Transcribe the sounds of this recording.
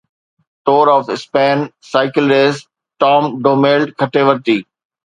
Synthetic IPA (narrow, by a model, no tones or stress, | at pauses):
ʈoːɾɔːfɪspɛ̃ːnsaɪkɪlɾez | ʈɔ̃ːmɖoːmeːlɖkʰəʈeːʋəɾt̪iː